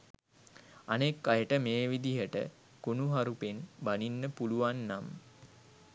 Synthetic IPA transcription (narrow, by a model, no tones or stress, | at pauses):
anekːajəʈəmeːʋid̪iɦəʈə̰ | kunuɦaɾupenbaninːəpuluʋanːam